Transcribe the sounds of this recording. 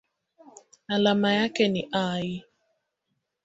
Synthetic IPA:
alamajakeniʔajɪ

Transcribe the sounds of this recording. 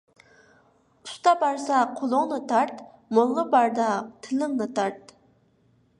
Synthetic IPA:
ust̪ɑbɑɾsɑqʰolˠʊŋnɨt̪ʰɑɾt̪ | moŋʁəbɑɾd̪ɑt̪ʰɪlɪŋnɨt̪ʰɑɾt̪̚

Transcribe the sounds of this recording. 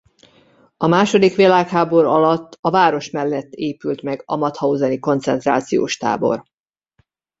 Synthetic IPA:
ɒmaːʃo̞d̪ikʋilaːkhaːbo̞ɾɒlɒt̪ːɒvaːɾo̞ʃmɛlːɛt̪ːeːpylt̪mɛɡɒmɒt̪hɒuzɛniko̞nt̪sɛnt̪ra̰ːt̪sijo̰ːʃt̪a̰ːbo̞̰r

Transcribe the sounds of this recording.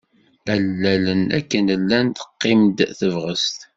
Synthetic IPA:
ælːælənæ̰kːənəlːænt̪ə̥qːɪmd̪θəvʁəst̪

